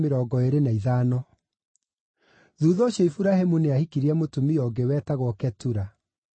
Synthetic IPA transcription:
meɾɔːɡɔeɾenaiðaːnɔ | ðuːðɔːɕjɔifuɾahemuneahikiɾiɛmotumiɔːɡewɛtaɣwɔkɛtuɾa

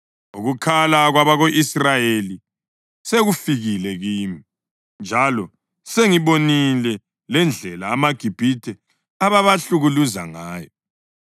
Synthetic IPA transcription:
uɣukʰalaɣwaβaɣoʔisrajeli | seɣufiɣilɛɣiːmi | nd͡ʒʱalɔ | seŋiβonilɛ | lɛnd͡ɮʱɛla̰ːmaɡ̥ʱib̥ʱitʰɛ | aβaβaɬuɣuluza̰ŋaːjɔ

